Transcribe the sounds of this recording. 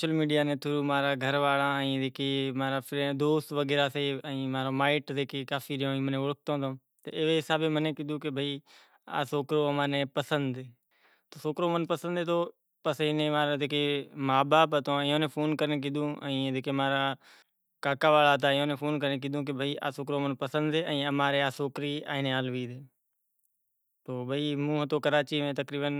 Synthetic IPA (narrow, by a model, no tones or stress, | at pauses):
oːʃəlmiːɖijaːnẽːt̪ʰʊɾuːmaːɾaːɡʱəɾʋaːɭãːĩːd͡ʒeːkeːmaːɾaːpɾẽd̪oːst̪ʋəɡeːɾaːseːĩːmaːɾõːmaːɪʈd͡ʒeːkeːkaːfiːɾɪjõːĩːmənẽːʋʊɭək̚ʰt̪õːt̪õː | t̪ə̰ɪʋeːɦɪsaːbeːməneːkiːd̪ũːkɪbʱiː | a̰ːsoːkɾoːəmãːnẽːpəsənd̪e | t̪oːsoːkɾoːmənpəsə̃nd̪eːt̪oː | pəsɪnẽːmaːɾaːd͡ʒeːkemaːbaːpɦət̪õːɪ̃ːõːnẽːpʰoːnkəɾnek̬id̪ũːə̰̃ĩːd͡ʒeːkeːmaːɾaː | kaːkaːʋaːlaːt̪̬aːɪjõːnẽːpʰoːnkəɾnẽk̬iːd̪ʱũːk̬ebʱəiːʔa̰ːsoːkɾoːmənpəsə̃nd̪eːʔə̃ːəmaːɾeːaːsoːkɾiːa̰ːɦɪnẽːaːlʋiːd̪eː | t̪oːbʱəiːmũːɦət̪oːkəɾaːt͡ʃiːmẽːt̪əkɾiːbən